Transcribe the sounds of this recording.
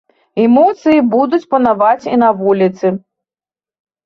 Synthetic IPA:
ɛmɔt̪sɨjibud̪ut͡sʲpɐnavat͡sʲḭnavulʲit̪sɨ

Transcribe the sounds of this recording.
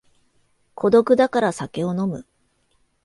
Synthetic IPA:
kʰo̞d̪o̞kɯ̟d̪akaɾasake̞o̞no̞mɯ̟

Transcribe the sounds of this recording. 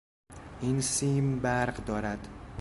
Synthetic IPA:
ʔinsimbæɾɢd̪ɒːɾæd̪̥

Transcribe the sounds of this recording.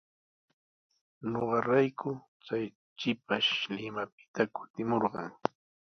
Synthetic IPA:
noɢɑɾajkʰʊ | t͡saj | t͡ʃɪpaʃlɪmapɪ̥t̪akʊ̥t̪ɪmoɾɢɑ̰ŋ

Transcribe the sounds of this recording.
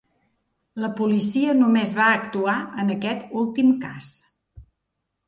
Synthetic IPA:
ləpulisiənumezβaəkt̪uaənəkɛt̪ulˠt̪imkas

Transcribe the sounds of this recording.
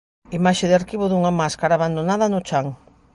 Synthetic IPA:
imaʃeðɪaɾkiβoðuŋamaskaɾaːβand̪onaðɐnʊt͡ʃaŋ

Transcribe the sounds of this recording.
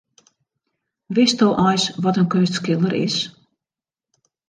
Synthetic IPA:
ʋɪstɔlʔɔjsʋɔtənkønstskɪlˠdəɾɪ̰s

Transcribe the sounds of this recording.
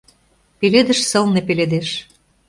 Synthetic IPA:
peled̪ə̆ʃsɤ̆lnepeled̪eʃ

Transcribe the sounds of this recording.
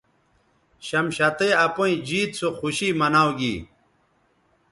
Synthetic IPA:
ɕɐmɕɐt̪eɐpoĩd͡ʑiːt̪̚t͡sʰoxuɕiːmɐnaːwɡḭ

